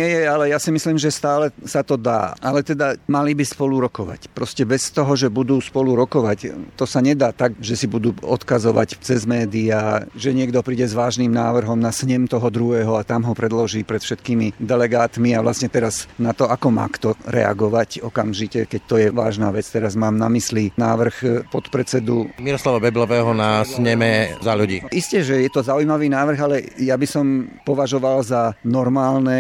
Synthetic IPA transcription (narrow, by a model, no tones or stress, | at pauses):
ɛjɛalɛjasimisliːmʒɛst̪aːlɛsat̪ɔd̪a̰ːʔalɛt̪ɛd̪amalibispɔluɾɔkɔʋa̰cpɾɔscɛbɛst̪ɔɦɔʒɛbud̪uːspɔluɾɔkɔʋact̪ɔsaɲɛd̪aːt̪aɡʒɛsibud̪uːɔ̰t̪kazɔʋa̰ct͡sɛzmɛːd̪iaʒɛɲɪɛɡd̪ɔpɾiːɟɛzʋaːʒnimnaːʋr̩ɦɔmnasɲɛmt̪ɔɦɔd̪ɾuɦɛːɦɔat̪amɦɔpɾɛd̪lɔʒiːpɾɛt̪fʃɛt̪kimid̪ɛlɛɡaːt̪miaʋlasɲɛt̪ɛɾaznat̪ɔakɔma̰ːkt̪ɔɾɛ̰a̰ɡɔʋacɔkamʒicɛkɛc̚t̪ɔjɛʋa̰ːʒnaʋɛt͡st̪ɛɾazmaːmnamislinaːʋr̩xpɔt̪pɾɛt͡sɛd̪umiɾɔslaʋɔbɛblɔʋɛːɦɔnasɲɛmɛzaʎuɟḭːiscɛʒɛjɛt̪ɔzaujmaʋiːnaːʋr̩ɣalɛjabisɔmpɔʋaʒɔʋalzanɔɾmaːlnɛ